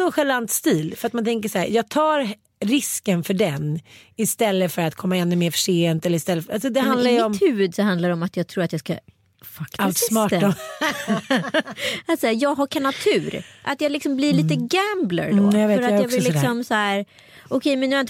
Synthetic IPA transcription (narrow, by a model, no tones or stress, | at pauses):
ɔɧɛlant̪st̪iːlfœɾat̪̚mant̪ʰɛŋk̬əʂæːjɑːɡ̚t̪ʰɑːɾ | ɾɪskənfœɖɛnɪst̪ɛlːəfœɾat̪kʰɔmːaɛnːɵmeːɾfœ̥ʂeːnt̪ɛlːəɾɪst̪ɛlːəfɾalsɔd̪ɛhand̪lajjɪɔmt̪hʉ̟ːvɵd̪sɔɦand̪laɾɔmat̪jɑːɡ̚t̪ʰɾuːɾat̪jɑːska̰ | fakat̪smɑːt̪ɔ | at̪sæːjɑːɡɦakʰanat̪ʰʉ̟ːɾʔa̰t̪jɑːlɪksɔmblɪɭiːt̪̬əɡæmblə̰ɾdɔ̰vfœɾatːjjɑksvɪlslːkksɔmsæːɾ | ʔɔkʰɛjmɛnjɛn